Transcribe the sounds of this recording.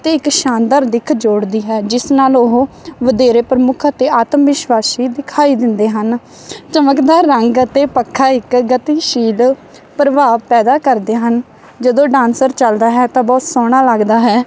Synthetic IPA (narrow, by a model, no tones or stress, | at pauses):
t̪eːɪkʃãːnd̪əɾd̪ɪkʰd͡ʒoːɽd̪iːɦɛːd͡ʒɪsnaːloɦõːʋəd̪eːɾeːpɾəmʊkʰt̪eːaːt̪mʋɪʃʋaːsiːd̪ɪkʰaːiːd̪ɪnd̪eːɦən | t͡ʃəməkd̪aːəŋɡt̪eːpəkʰːaːɪkɡət̪iːʃiːl | pɾəʋaːʋpɛːd̪aːkəɾd̪eːɦən | d͡ʒəd̪õːɖãːnsəɾt͡ʃəld̪aːɦɛːt̪ãːbɔːt̪sɔːɽ̃aːləɡd̪aːɦɛː